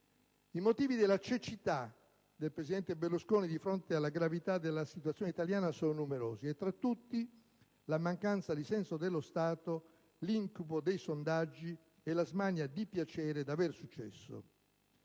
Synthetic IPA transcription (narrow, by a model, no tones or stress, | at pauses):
imot̪iːvid̪elːat͡ʃet͡ʃit̪a | d̪elpɾesid̪ɛnt̪eberlːuskoːnid̪ifɾont̪ealːaɡɾavit̪ad̪elːasit̪uat̪sjoːneit̪aljaːnasoːnonumeɾoːziet̪ːɾat̪ːut̪ːi | lamaŋkant̪sad̪isɛnsod̪elːost̪aːt̪o | liŋkupod̪ejsond̪ad͡ʒːi | elazmanjad̪ipjat͡ʃɛːɾed̪aversut͡ʃːɛ̰sːo̰